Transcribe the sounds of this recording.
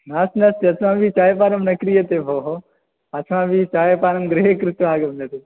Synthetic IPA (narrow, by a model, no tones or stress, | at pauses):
naːsnɐst̪iɐtʰʋãːbʱit͡ʃaːjepaːɾɐmnɐkɾijɐt̪ebʱoːɦo | ɐt͡ʃʰʋãːbʱit͡ʃaːjepaːɾɐmɡɾeekɾɪt̪aːɡɐmd̪ɐt̪e